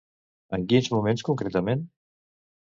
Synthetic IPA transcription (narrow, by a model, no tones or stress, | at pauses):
əŋkinzmumẽnskuŋkɾet̪əmẽn